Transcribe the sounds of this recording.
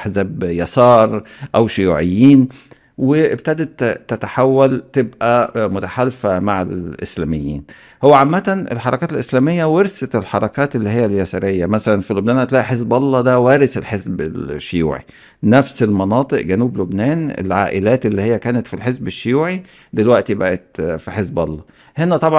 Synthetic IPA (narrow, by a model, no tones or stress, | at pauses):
ħsæbjɑsɑːɾˤʔæwʃʊjuːʕɪjːiːn | weʔɪb̚t̪æd̪et̪ːæt̪aħawːælt̪ebʔæmʊt̪aħalfæmaʕḛlʔɪ̰slæːmɪjːḭːn | howːæʕamːæt̪ænʔḛlħɑɾˤɑkæːt̪elʔeslæːmejːæweɾset̪elħɑɾˤɑkæːt̪elːihɪjːæljæsɑːɾejːæmæsælænfilobnæːnʔæt̪læːʔiħezbʔɑlˤːɑd̪æwæːɾɪselħezbelʃːʊjṵːʕḭ | næfselmɑnɑːt̪ˤɨʔɡænuːblobnæːnḛlʕa̰ːʔɪlæːt̪elːiːhɪjːækæːnæt̪filħezbeʃːʊjuːʕi | d̪elwæʔt̪ibæʔæt̪fiħezbʔɑ̰lˤːɑ | henæt̪ˤɑbʕ